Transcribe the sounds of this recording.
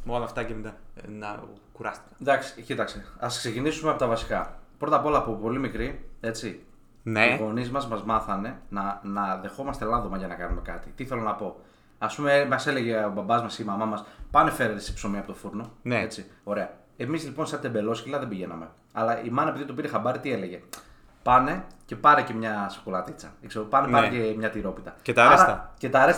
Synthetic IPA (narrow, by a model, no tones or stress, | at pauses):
moɐnɐft̪ɐcemit̪ɐnɐ | kuɾɐst̪i̥kɐ̥d̪ɐksi̥cit̪ɐkst̪eɐskse̞cinisumeɐpo̞t̪ɐvɐsi̥kɐpɾo̞t̪ɐpo̞lɐːpopo̞limikɾie̞t͡si | neɣo̞nizmɐzmɐzmɐθɐne̞nɐnɐðe̞xo̞mɐst̪e̞lɐnðo̞mɐʝɐnɐkɐnume̞kɐt̪it̪iθelonɐpo̞ | ɐspumemɐse̞le̞ʝeobɐbɐzmɐsimɐmɐmɐspɐne̞fe̞ɾet̪esi̥psomiɐpo̞t̪o̞fuɾno̞neet͡sio̞ɾe̞ɐ | emizlipo̞nsɐt̪e̞be̞lo̞scilɐðe̞biʝe̞nɐ̰me̞ | ɐ̰lɐʔimɐnɐepiðiot̪piɾexɐbɐɾit̪ie̞le̞ʝe̞ | pɐne̞ce̞pɐɾece̞mɲɐso̥kolɐt̪it͡sɐekseɾopɐnepɐɾecemɲɐt̪iɾo̞pit̪ɐcet̪ɐɾɐcet̪ɐɾes